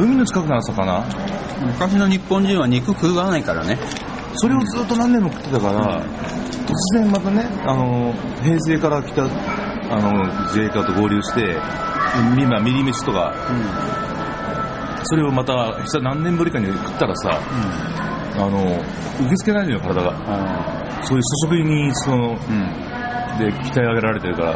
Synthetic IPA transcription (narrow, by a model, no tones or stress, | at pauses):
ɯ̟mʲinot͡ɕi̥kakɯnaɾasakana | mɯ̟kaɕino̞ɲ̟ipːõ̞ɲ̟d͡ʑĩɰ̃aɲ̟ikɯ̟kɯ̟ːɡanaikaɾa̰ne̞ | so̞ɾe̞o̞zɨːt̪ːo̞nãnːemokɯ̟t̪ːet̪akaɾa̰ | t̪o̞t͡sɨzẽ̞mmat̪ane̞ano̞ | he̞ːs̬e̞ːkaɾakʲi̥t̪a | ano̞zeːkat̪o̞ɡo̞ːɾʲɨːɕi̥t̪e̞ | mʲimamʲiɾʲimiɕi̥t̪o̞ka̰ | so̞ɾe̞omat̪a | i̥sanãnːẽmbɯ̟ɾʲikaɲ̟iokɯ̟̥t̪ːaɾasa̰ | ano̞ | ɯ̟k̬e̞t͡sɨ̥ke̞nainojokaɾad̪aɡa | so̞ːjɯːso̞ɕ̬o̞kɯ̟iɲ̟iso | d̪e̞kʲi̥t̪aiaɡe̞ɾaɾaɾe̞t̪e̞ɾɯ̟kaɾa̰